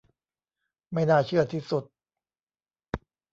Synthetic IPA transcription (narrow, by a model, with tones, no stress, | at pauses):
ma˥˩jnaː˥˩t͡ɕʰɯ˥˩ɐt̪ʰiː˥˩su˨˩t̪̚